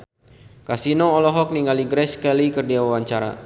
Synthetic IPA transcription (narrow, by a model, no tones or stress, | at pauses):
kasinɔɔlɔɦɔk̚niŋɡaliɡɾɛskɛlikərdiawawaɲt͡ʃaɾa̰